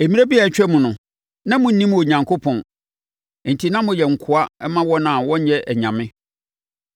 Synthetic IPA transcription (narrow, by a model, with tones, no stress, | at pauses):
e˨mĩ˦a˦bi˦a˨t͡ɕᶣɛ˦mʊ̃˨nʊ̃˨ | nã˦mʊ̃˨n̩˦nĩ˦m˨o˨ɲã˨ŋkʰo˦pʰɔ̃˨n | n̩˨tʰi˨nã˦mʊ̃˨jɛ˨ŋ̩˨kʰʊ˨˦a˦ɛ˦mã˦wɔ˦nã˨wɔ̃˦ɲ˦jɛ˦ʔæ˨ɲã˨mɪ̃˦